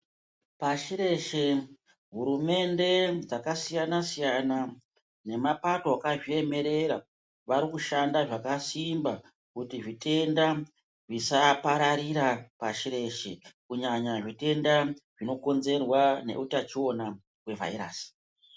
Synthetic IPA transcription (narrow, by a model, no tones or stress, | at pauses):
paʃiɾe̞ʃe̞ | ɦuɾume̞nde̞d͡zakasijanasijana | ne̞mapato̞akaʐie̞me̞ɾe̞ɾa | ʋaɾikuʃandaʐakasimba | kutiʐitʰe̞nda | ʐisapaɾaɾiɾapaʃiɾe̞ʃe̞kuɲaɲaʐite̞ndaʐ̥ino̞ko̞nze̞rwane̞̰ʔutat͡ʃio̞na | we̞va̰iɾa̰ːsi̥